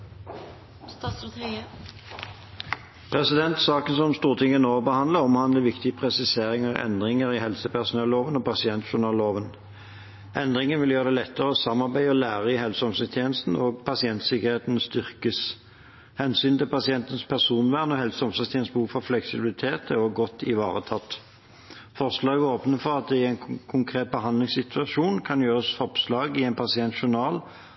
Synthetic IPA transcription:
st̪ːst̪i | pʰʁɛsɪd̪ɛnt̪sɑːkənsɔmst̪uːʁt̪ʰɪŋːənoːbəhɑnd̪ləʁɔmhɑnd̪ləʋɪkt̪ɪəpʰʁɛsɪseːʁɪŋəʁɛ̰nd̪ʁɪŋəʁihɛlsəpæʁsʊnɛlloːʋənɔːpɑsɪɛnt̪ʃʊnɑːlːoːʋən | ʔɛnd̪ʁɪŋənʋɪljøːʁəd̪ɛːlɛt̪ːəʁəɔsɑmːɑʁbæɪɔlæːʁəɪhɛlsɔmsɛst̪ʰjeːnəst̪n̩oːɡpʰɑsɪɛnt̪sɪkəʁheːt̪ənst̪ʏʁkəs | hɛnsyːnt̪ɪlpɑsɪɛnt̪ənspʰæʁsuːnʋæːʁnɔhɛlsɔmsɑst̪ʰjɛːnsbəhuːfɔʁflɛksɪbɪlɪt̪ʰeːt̪ɛɔɡɔt̪ʰːɪʋɑ̰ːʁət̪ʰɑt̪ː | fɔʁslɑːɡəoːpnəfɔʁɑt̪̚d̪ɛɪæɪnkʰʊŋkʰʁeːt̪̚bəɦɑnd̪lɪŋsɪt̪ʰʉɑʃuːnkʰɑnjøːʁəsfɔpslɑːɡɪɛɪnpʰɑsɪɛnt̪ʃʊnɑːl

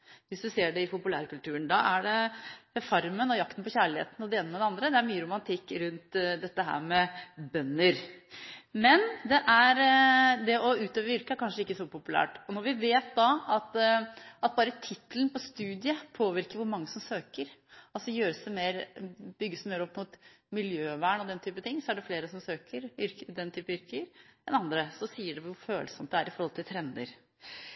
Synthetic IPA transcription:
ʋɪsd̪ʉseːɖɛɪpʊpʉlæ̰ːɾkʉlt̪ʰʉːəɳd̪ɑʔæɖɛfɑɾmənɔjɑk̚t̪ən̩pɔçæːɭɪhḛːt̪nɔd̪ɛeːnəmɛd̪ɛɑnd̪ɾəd̪ɛæɾmyːəɾʊmɑnt̪ʰɪkːɾʉnt̪d̪ɛt̪ːəɦæ̰ːɾmɛbœnːəɾ | mɛnd̪ɛʔæɾd̪ɛʔɔʉːt̪øːʋəɾʋɪɾkəæɾkʰɑnʂəɪkːəsɔpʊpʉlæ̰ːʈɔnɔɾʋɪʋeːt̪̚d̪ɑɑt̪ɑt̪̚bɑːɾət̪ʰɪt̪ːəln̩pʰɔst̪ʉːd̪ɪəpʰoːʋɪɾkəɾʋʊɾmɑŋːəsɔmsøːkəɾɑlsɔjøːɾəsæmeːɾbʏɡːəsmeːɾɔpːmʊt̪ | mɪljøːʋæːɳɔd̪ɛnt̪ʰyːpət̪ɪŋːsɔæɖɛfleːɾəsɔmsøːkʰəɾʏɾkəd̪ɛnːt̪ʰyːpəʏɾkəəɾɛnɑnd̪ɾəsɔsiːəɖɛʋʊɾføːləsɔmt̪d̪ɛæɾɪfɔɾhɔlt̪ʰɪlt̪ʰɾɛnd̪ə̰ɾ

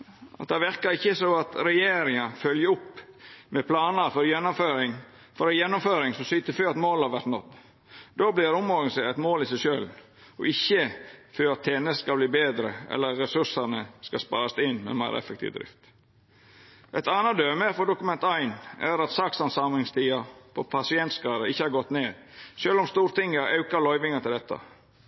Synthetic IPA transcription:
ʔɑ̰t̪̚d̪ɛʋɪɾkɑɾɪçːəsoɑt̪ɾɛjeːɾɪŋɑfœljəʊpːmɛpʰlɑːnəɾfɔɾjɛnːʊmføːɾɪŋ | fɔɾjɛnːʊmføːɾɪŋsɔmsʏt̪ːəføːɾɑt̪moːlhɑɾʋæɾt̪nɔt̪ː | d̪oːblɪɾʊmɔɾɡənsɛɛt̪moːlɪsæɪʃøːl | ɔ̰ɪçːəføːɾɑt̪ʰːɛnəskɑbliːbeːd̪ɾəɛ̰lːəːɛsʉʂɑnəskɑspɑ̰ːɾɑsd̪ɪnːmɛ̰ːmæɪɾʔɛ̰fəkt̪ʰḭʋd̪ɾɪ̰ft̪ | ʔɛt̪ɑːnɑd̪øːməfɔɖ̪ʊkʉmɛnt̪æɪnæ̰ɾɑt̪sɑksɑnsɑmlɪŋst̪ʰiːɑpʰɔpʰɑsɪɛnt̪skɑːd̪əɪçːəhɑɾɡɔt̪ːneːd̪ | ʃøːlɔmst̪uːɾt̪ɪŋːəɑʉkɑɾlɔʏʋɪŋɑt̪ɪld̪ɛt̪ʰːɑ̰

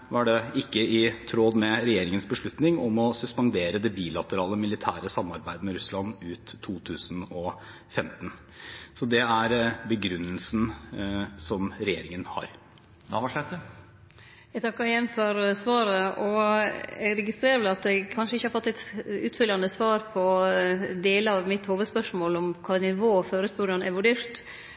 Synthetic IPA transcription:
ʋɑɖɛɪkːəɪt̪ʰɾoːd̪mɛɾɛjeːɾɪŋənsbəʂɭʉt̪nɪŋɔmɔsʉspɑnd̪eːɾəd̪ɛbiːlɑt̪əɾɑːləmɪlɪt̪ʰæːɾəsɑmːɑɾbæɪd̪əmɛɾʉslɑnːʉːt̪ʰːuːt̪ʰʉːsənɔ | fɛmt̪n | sɔd̪ɛæɾbəɡɾʉnːəlsn | sɔmɾɛjḛːɾɪŋənhɑ̰ɾ | nɑ̰ʋɑʂɛt̪ːə | æɡt̪ʰɑkːəɾjɛnføɾsʋɑːɾəɔ | æɡɾɛɡɪst̪ɾeːɾəʋɛlɑt̪̚ɛɡkʰɑnʂəɪçːəhɑɾfɔt̪ːɛt̪ʉːt̪fʏljɑnəsʋɑːɾpʰɔ | d̪eːləɑʋmɪt̪hoːʋəd̪spœʂmoːlɔmkʰɑːnɪʋoːføːɾəsbʉɖɑnɛ̰ʋʉɖeːɾt̪

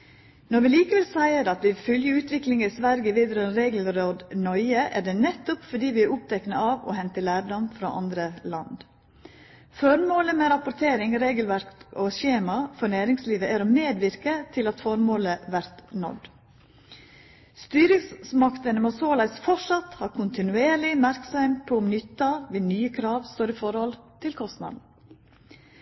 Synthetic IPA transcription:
nɔɾʋɪliːkəʋɛlsæɪəɾɑt̪ʋɪfœljəʉːt̪ʋɪklɪŋəɪsʋæɾɡəʋiːd̪ɾœːnɾeːɡəlɾoːd̪nɔʏəʔæɖɛnɛt̪ːʊpfɔɖiːʋɪæɾʊp̚t̪ʰɛknəɑːʋɔ̰hɛnt̪əlæːɖɔmfɾɑ̰ːʔɑ̰nd̪ɾəlɑ̰nd̪ | fɔɾmoːləmɛːɾɑpʊɾt̪ʰeːɾɪŋɾeːɡəlʋæɾkoɕeːmɑfɔɳæːɾɪŋsliːʋəæɾoːmeːd̪ʋɪɾkət̪ʰɪlɑt̪fɔɾmoːləʋæɾt̪nɔ̰d̪ | st̪yːɾɪŋssmɑkt̪ənəmoːsoːlɑɪsfɔʂɑt̪hɑːɾkʰʊnt̪ɪnʉeːɾɭɪmæɾksœɪmpʰoʊmnʏt̪ːɑʋeːnyːəkʰɾɑːʋst̪oːɾiːfɔɾhɔlt̪ʰɪlkʰɔst̪nɑ̰d̪n̩

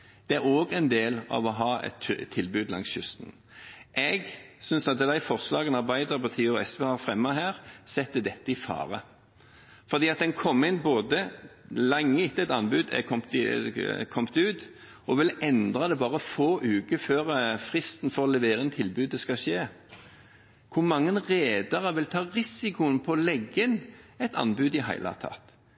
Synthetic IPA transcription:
d̪̥ɛæʁoːɡɛɪnd̪eːlɑ̰ʋɔɦɑːɛ̰t̪ʰt̪ʰːɪlbʉːd̪lɑ̰ŋsjʉst̪n̩ | ʔɛɡsʏnsɑt̪̚d̪æɪfɔʁslɑːɡənɑʁbæɪd̪əʁpʰɔt̪ʰiːɔɛsʋeːɑʁfʁɛmːəɦhæːʁsɛt̪ːd̪ɛt̪ːəɪfɑ̰ːʁə | fɔʁd̪iːɑt̪̚d̪ɛnkʰɔmːɪnboːd̪əlɛŋːəɪt̪ːəɛt̪ɑnbʉːd̪ɛ̰kʰɔmt̪ɪkʰɔmt̪ʉːt̪ | ʔɔʋɪlɛnd̪ʁɑd̪ɛbɑːʁəfoːʔʉːkəføːʁfʁɪst̪n̩fɔʁɔlɛʋeːʁəɛnt̪ʰɪlbʉːd̪əskɑʃeː | kʰʊʁmɑŋːənʁeːd̪ɑʁəʋɪlt̪ʰɑːʁɪsɪkʊənpʰɔlɛɡːənɛt̪ʰɑ̰nbʉːd̪ɪɦæ̰ɪlɑ̰t̪ʰɑ̰ːt̪

